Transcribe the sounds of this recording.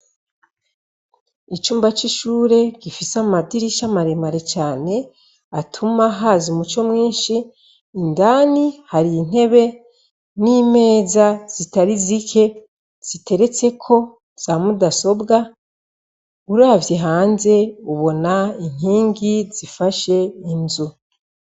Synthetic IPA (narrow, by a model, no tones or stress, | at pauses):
it͡ʃuːmbat͡ʃiʃuːɾe̞ɡifisamadiɾiʃamaɾemaɾe̞t͡ʃaːne̞ | atʰumaɦazumut͡ʃo̞mŋiːnʃiː | ndaːnihaɾin̥e̞βe̞ | niːme̞ːzaz̥itaɾizikʰe̞ | z̥ite̞ɾe̞t͡se̞kʰo̞ | z̥amudaso̞bɡa | uɾaːvjeɦaːnze̞uβo̞nain̥iːŋɡiz̥ifaʃe̞inzu